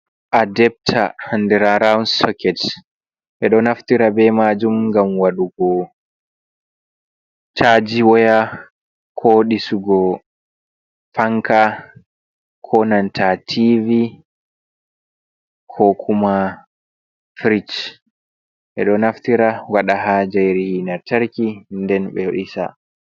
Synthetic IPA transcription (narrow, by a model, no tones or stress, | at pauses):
ʔadɛp̚tʰahandɛɾaɾawnsɔkɛt | ʔɛɗɔnaftiɾabɛmaːd͡ʒumŋɡamwaɗuɡɔ | taːd͡ʒiwɔja | kʰoɗisuɡɔ | faŋka | kʰɔnantʰatʰivi | kʰɔkʰuma | fɾit͡ʃ | ʔɛ̰ɗɔnaftiɾawaɗaɦad͡ʒajɾihinaɾtaɾkindɛnɓɛɗisa̰